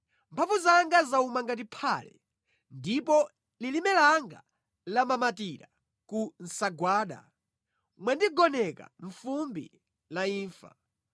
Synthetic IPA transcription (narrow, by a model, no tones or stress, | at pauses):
mpʰavuzaŋɡazaumaŋɡat̬ipʰaːlɛ̰ | ndipɔ | lilimɛlaŋɡa̰ | lamamatiɾa̰ | kun̩saɡwaːɗa̰ | mwɛndiɡɔnɛka̰ɱfumbḭ | laiːɱfa̰